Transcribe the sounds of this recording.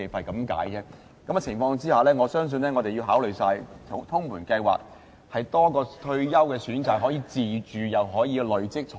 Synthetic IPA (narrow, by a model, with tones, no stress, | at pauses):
e˨˩fɐ˨˩jkɐ˨˥mka̰ː˨˥jt͡sɛː˥ | kɐ˨˥mɐ˧˩t͡sʰɪ˨˩ŋfɔː˧ŋt͡siː˥haː˨lɛː˥ŋɔ˨˧sœː˥ŋs̬ɵ˧nlɛː˥ŋɔː˨˧t̪e˨jiː˧wɦaː˨˥wlɵ˨ɥjsaː˧jt̪ʰʊ˨˥ŋt̪ʰʊ˥ŋmuː˨˩nkɐ˧jwa̰ː˨k̚ | hɐ˨jt̪ɔː˥kɔː˧t̪ʰɵ˧ɥjɐ˥wkɛː˧syː˨˥nt͡saː˨k̚ɦɔ˨˥jiː˨˧t͡siː˨˩t͡ʃyː˨jɐ˨wɦɔː˨˥jiː˨˧lɵ˨˧ɥt͡sɪ˥k̚t͡ʃʰʊ˨